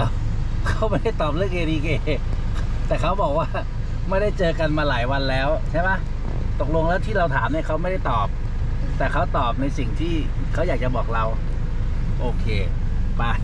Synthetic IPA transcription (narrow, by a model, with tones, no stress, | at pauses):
kʰa˦˥wma˥˩jda˥˩jt̪ɔː˨˩p̚lɯ˥˩əŋʔeː˧ɾiː˧keː˧ | t̪ɛː˨˩kʰa˦˥wbɔː˨˩k̚waː˥˩ | ma˥˩jda˥˩jt͡ɕɤː˧ka˧nmaː˧laː˩˦jwa˧nlɛː˦˥wt͡ɕʰa˥˩jma˦˥ | t̪o˨˩k̚lo˧ŋlɛː˦˥wt̪ʰiː˥˩ɾa˧wt̪ʰaː˩˦mni˥˩kʰa˦˥wma˥˩jda˥˩jt̪ɔː˨˩p̚ | t̪ɛː˨˩kʰa˦˥wt̪ɔː˨˩p̚na˧jsi˨˩ŋt̪ʰiː˥˩ | kʰa˦˥wjaː˨˩k̚t͡ɕa˨˩bɔː˨˩k̚ɾa˧w | ʔoː˧kʰeː˧ | pa˧˩